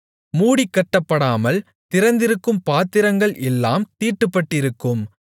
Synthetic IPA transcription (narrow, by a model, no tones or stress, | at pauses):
muːɽikːɐʈːɐpːɐɽaːmɐl | t̪ɪɾɐnd̪ɪɾɯkːɯmpaːt̪ːɪɾɐŋɡɐɭʔɛlːa̰ːmt̪iːʈːɯpːɐʈːɪɾɯkːɯm